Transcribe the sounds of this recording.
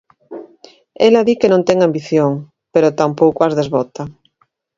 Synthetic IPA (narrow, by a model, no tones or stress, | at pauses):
elaðikenõnt̪eŋambiθjoŋ | peɾot̪ampowkoazðezβɔt̪a